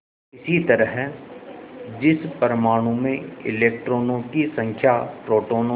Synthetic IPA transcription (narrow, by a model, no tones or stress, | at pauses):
ɪsit̪ɐɾəɦ | d͡ʒɪspɐɾmaːɽ̃ũmẽɪ̰leːk̚ʈɾoːnõkisɐ̃ŋkʰjapɾoːʈoːnõ